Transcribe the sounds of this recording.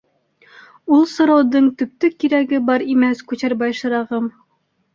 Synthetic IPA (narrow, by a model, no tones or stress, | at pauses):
ulˠsŏɾɑwðɤɴt̪ɵ̆p̚t̪ɵkiɾæɡɘbɑɾimæskʉɕæɾbɑjʃɤ̆ɾɑʁɤm